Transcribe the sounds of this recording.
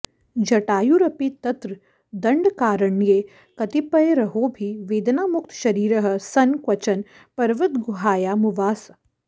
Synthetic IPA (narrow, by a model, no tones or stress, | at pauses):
d͡ʒɐʈaːjuɾɐpit̪ɐt̪ɾə | d̪ɐ̃ɳɖkaːɾəɳijeː | kɐt̪ipɐeɾɐɦobʱiʋeːd̪naːmʊk̚t̪ʃɐɾiːɾəɦə̆sɐnkʋɐt͡ʃɐn | pɐɾʋət̪ɡʊɦaːjaːmʊʋaːs